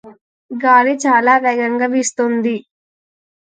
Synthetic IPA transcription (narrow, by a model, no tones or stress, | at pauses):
ɡaːlit͡ʃaːlaːʋɛɡɐŋɡɐʋist̪ond̪i